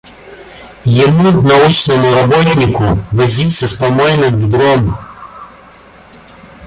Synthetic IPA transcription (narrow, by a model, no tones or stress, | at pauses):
jɪmunɐut͡ʃnɐmʊɾɐbɔtʲnʲikʊʋɐzʲit̪sʲɐspɐmɔjnɐd̪vʲid̪ɾɔm